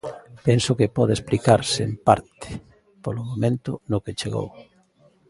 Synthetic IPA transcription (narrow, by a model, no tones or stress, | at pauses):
pensʊkɪpɔðeesplikaɾsɪempaɾt̪ɪ̥ | polʊmomẽnt̪ʊnʊket͡ʃeɣo̰w